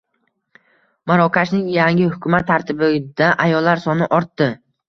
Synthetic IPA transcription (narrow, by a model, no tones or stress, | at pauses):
maɾɒkʲʰaʃnɪŋjaŋɪhʊkʰʲʊmat̪ʰːaɾt̪ʰɪbɪd̪̥aʔajɒlːaɾsɒnɪʔɒɾt̪ːɪ